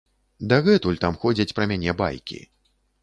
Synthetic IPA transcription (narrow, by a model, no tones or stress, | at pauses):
d̪ɐɣɛt̪ulʲt̪amxɔd͡zʲɐt͡sʲpɾɐmʲanʲɛba̰jkʲḭ